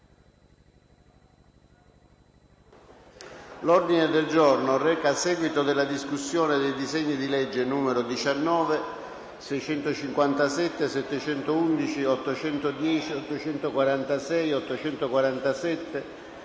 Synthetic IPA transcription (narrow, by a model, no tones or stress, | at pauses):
lɔrd̪ined̪eld͡ʒornorɛːkaːsɛːɡwit̪od̪elːad̪iskusːjoːned̪ejd̪izeɲːid̪ilɛd͡ʒːenuːmeɾod̪it͡ʃanːɔːve | sɛjt͡ʃɛnt̪ot͡ʃiŋkwant̪asɛt̪ːesɛt̪ːet͡ʃɛnt̪ound̪it͡ʃiɔt̪ːot͡ʃɛnt̪od̪jɛːt͡ʃiɔt̪ːot͡ʃɛnt̪okwaɾant̪asɛjɔt̪ːot͡ʃɛnt̪okwaɾant̪asɛt̪ːe